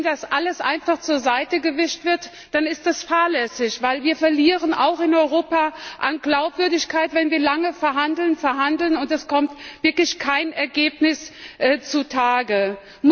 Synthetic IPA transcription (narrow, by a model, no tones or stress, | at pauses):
dasʔaləsʔa̰ɪnfaχt͡suːɐzaɪtəɡəvɪʃtv̥ɪɐt | d̥anɪst̚d̥asfaːɐlɛsɪçv̥aɪlviːɐfɛɐliːʁ̞əna̰ʊxɪnɔʏʁoːpaʔanɡlaʊpv̥ʏɐdɪçkʰaɪtv̥ɛnviːɐlaŋəfɛɐɦandl̩nfɛɐɦandl̩nʊntɛskʰɔmtv̥ɪɐklɪçkʰaɪnɛɐɡeːpnɪsʔɛːt͡sutʰaːɡə | m